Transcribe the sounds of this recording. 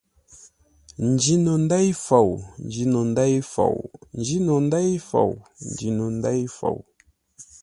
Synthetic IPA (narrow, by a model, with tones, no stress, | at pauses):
n̩˨d͡ʒi˦no˨n˦da˦jfa˨wn̩˨d͡ʒi˨no˨n˦da˦jfa̰˨wn̩˨d͡ʒi˦no˨n˦da˦jfa̰˨wn̩˨d͡ʒi˨no˨n̩˦da˦jfa̰˨w